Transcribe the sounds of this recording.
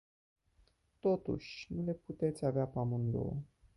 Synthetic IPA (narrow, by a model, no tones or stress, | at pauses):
t̪o̞t̪ṵʃʲnule̞put̪e̞t̪sʲaveapamund̪o̰